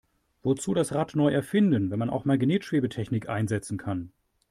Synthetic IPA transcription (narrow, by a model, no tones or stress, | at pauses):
v̥ot͡suːɾasʁatnɔʏʔɛɐfɪndənvɛnmanʔa̰ʊxmaɐlɡneːtʃv̥eːbətʰɛçnɪkʔa̰ɪnzɛt͡sn̩kʰan